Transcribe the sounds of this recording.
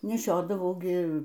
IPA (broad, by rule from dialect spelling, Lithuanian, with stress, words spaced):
nʲɛˈʃʲoːdɐʋɐʊ ˈɡʲɪ